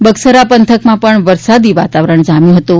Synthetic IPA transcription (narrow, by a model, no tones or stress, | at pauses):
bəɡsəɾapənt̪ʰəkmãpəɳʋəɾsad̪iʋat̪aʋɾəɳd͡ʒamjõɦət̪o